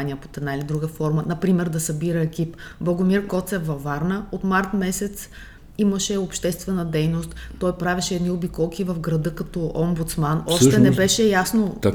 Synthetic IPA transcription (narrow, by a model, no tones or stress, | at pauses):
nijəpo̥t̪ɛd̪nailid̪ɾuɡəfɔɾmənɐpɾimɛɾd̪ɐsɐbiɾəɛkipblˠɐɡomiɾkɔt̪sɛvɐvaɾnəot̪maɾt̪mɛsɛt̪s | iməʃɛopʃt̪ɛst̪vɛnəd̪ɛjnost̪ːɔjpɾavɛʃɛːd̪niʊbikɔlˠkivɐvɡɾɐd̪ɤkɐt̪ɔombut̪smanɔʃt̪ɛnɛbɛʃɛjasno